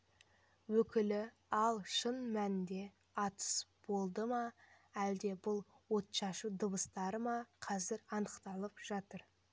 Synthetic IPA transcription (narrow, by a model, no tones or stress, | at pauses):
wɵkʲɪlɪ | ɑlˠʃənmænd̪e̞ | ɑt̪ə̥sb̥o̞lˠd̪əmɑæld̪e̞bʊlˠ | wo̞t̪ʃɑʃəd̪əbəst̪ɑɾəmɑqʰɑzɪɾɑnəqt̪ɑlˠəpʒ̥ɑt̪əɾ